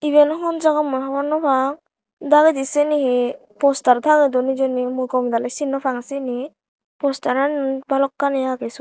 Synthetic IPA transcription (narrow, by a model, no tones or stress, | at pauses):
iβenɔɦɔnzaɡamɔjɦabanɔpʰaŋ | daɡɯdisenihe | pɔstaɾt̪ʰaŋɯdɔnid͡ʒɔnimujkɔmd̪alajsinːɔpʰaŋsini | pɔstaɾanbalɔkːanijaɡesɔ